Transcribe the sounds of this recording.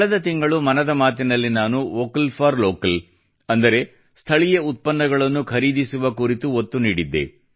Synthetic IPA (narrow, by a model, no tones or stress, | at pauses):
kɐɭɐd̪ɐt̪iŋɡɐɭumɐnɐd̪ɐmaːt̪inɐlːinaːnuoːkɐlpʰaːɾloːkɐl | ɐnd̪ɐɾe̞ | st̪ʰɐɭijɐut̪̚pɐnːɐɡɐɭɐnːukʰɐɾiːd̪isuʋɐkuɾit̪uot̪ːuniːɽid̪ːḛ